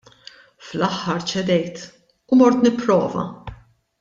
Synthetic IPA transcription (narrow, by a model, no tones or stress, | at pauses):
flɐħːɐɾt͡ʃɛd̪ɛjt̪ | ʊmɔɾt̪nɪpːɾɔ̰ːvɐ̰